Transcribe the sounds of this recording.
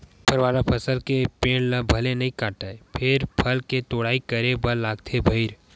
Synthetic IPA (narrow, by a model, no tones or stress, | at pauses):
pʰəɾʋaːɾapʰɐsəlkepẽːɽlə̃bʱɐlenɐɦĩkãːʈaepʰɪɾpʰɐlket̪oːɽaːikəɾebɐlːaːɡt̪ʰebʱəɪɾ